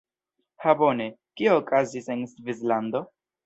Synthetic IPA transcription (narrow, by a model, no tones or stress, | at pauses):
habo̞nekioːkazisensvis̬land̪o̞